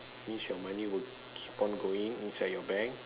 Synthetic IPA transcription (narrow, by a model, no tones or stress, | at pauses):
mĩsjɔmãniwi | kʰipɔ̃nɡoĩŋĩnsajdjɔbɛ̃ŋk